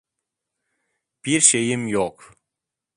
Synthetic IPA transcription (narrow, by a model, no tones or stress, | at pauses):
b̥iɾʃejɪmjoq